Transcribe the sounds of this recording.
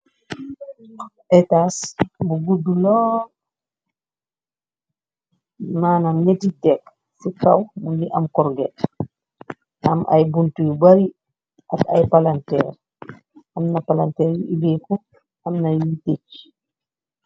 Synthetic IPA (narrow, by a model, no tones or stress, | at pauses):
ɛtasbuɡudːulɔː | maːnɐmɲɛditɛk | fukawmundiʔɐmkɔɾɡɛt | ʔɐmʔɐ̰jbuntujubaɾi | ʔakɐ̰jpalantɛɾ | ɐmnɐpalantɛːɾjuʔibɛku | ɐmnɐjitet͡ʃ